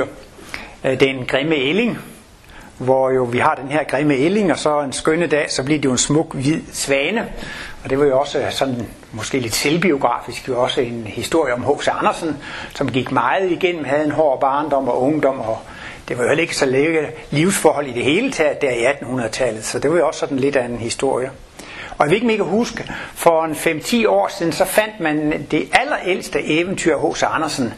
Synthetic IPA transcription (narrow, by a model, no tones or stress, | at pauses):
d̥enɡ̥ʁeməele̝ŋ | ʋɒjo̝ʋihɑ̈d̥enheɐ̰ɡ̥ʁeməele̝ŋɒ̽sɒ̽ensɡ̥ønəd̥ɛ̰ːsɒ̽b̥liɐd̥ijo̝e̝nsmɔ̽ɡ̥ʋið̰ˠsʋɛːnəɒ̽d̥e̝ʋɑ̈jo̝ɒ̽səsɒ̽nn | mɒsɡ̥e̝̰ːle̝d̥selb̥io̝ɡ̥ʁɑ̰̈ːfisɡ̥jo̝ɒ̽səe̝nhisd̥o̝ɐ̰jəɒ̽mhɔ̰ːsəɑ̈nɐsn̩sɒ̽mɡ̥iɡ̥mɑ̈ɪð̩ˠiɡ̥en̰m̩hæð̩ˠe̝nɦɒ̰ːb̥ɑ̈ːnd̥ɒ̽m̰ɒ̽ʔɔ̽ŋd̥ɒ̽m̰ɒ | d̥e̝ʋɑ̈jo̝hel̰e̝ɡ̥əsɒeɡ̥ə | liʊsfɒːhɒ̽l̰id̥e̝he̝ːlət͡sʰæd̥æɐiæd̥n̩hunɐð̩ˠt͡sʰælð̩ˠsɒ̽d̥e̝ʋɑ̈jo̝ɒ̽ssɒ̽d̥n̩le̝d̥æenhisd̥o̝ɐ̰jə | ɒ̽jæʋee̝ɡ̥əmeɡ̥ʰæhusɡ̥əfɒ̽enfem̰t͡sʰḭːɒ̰ːsiðˠn̩sɒ̽fæn̰d̥mænd̥e̝ʔælɐʔel̰sd̥əʔeːʋənt͡sʰyɐ̰ɦɔ̰səɑ̈nɐsn